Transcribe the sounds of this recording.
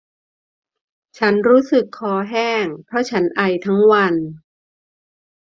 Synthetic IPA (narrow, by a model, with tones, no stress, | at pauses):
t͡ɕʰa˦˥nɾuː˦˥sɯ˨˩kʰːɔː˧ɦɛː˥˩ŋpʰɾɔ˦˥t͡ɕʰa˦˥nʔa˧jt̪ʰa˦˥ŋwa˧n